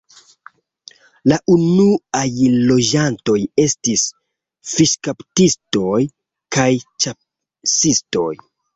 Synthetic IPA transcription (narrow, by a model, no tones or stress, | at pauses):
laʔunuajlo̞d͡ʒanto̞je̞stis | fiʃkaptisto̞j | kajt͡ʃap | sisto̞j